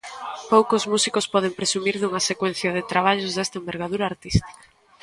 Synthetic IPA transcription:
powkozmusikospɔð̞empɾesumiɾðuŋɐsekwɛn̟θjɐðɪt̪ɾaβ̞aʎʊzðɛst̪ɐẽmbeɾɣaðuɾaːɾt̪ist̪i̥kɐ̥

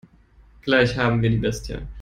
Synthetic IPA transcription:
ɡ̥laɪçhaːbm̩viːɐdiːbɛstʰə̰n

